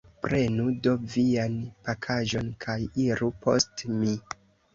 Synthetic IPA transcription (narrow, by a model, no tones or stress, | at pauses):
pɾʔe̞nudo̞vianpakʰaʒo̞nkʰajiɾupʰo̞̰stmi